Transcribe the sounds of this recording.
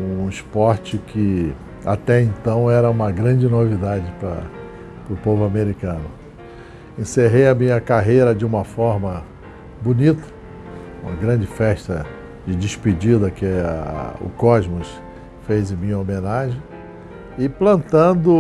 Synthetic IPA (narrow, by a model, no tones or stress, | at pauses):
ũispɔɾt͡ʃɪkʰɪ | a̰t̪ɛẽnt̪ɐ̃w̃ɛɾɐũmɐɡɾɐ̃d͡ʒɪnovid̪ad͡ʒɪpɾɐ̰ | pɾʊpovʊameɾikɐ̃nʊ | ẽseɦejɐmĩɲɐkaɦejɾɐd͡ʒɪũmɐfɔɾmɐ | bunit̪ɐ̥ | ũmɐ̰ɡɾɐ̃d͡ʒɪfɛʃt̪ɐ | d͡ʒɪd͡ʒɪʃpid͡ʒid̪ɐkɪ | ʊ̰kɔzmʊs | fejzɪmĩɲomẽnaʒẽj | ɪplɐ̃nt̪ɐ̃nd̪ʊ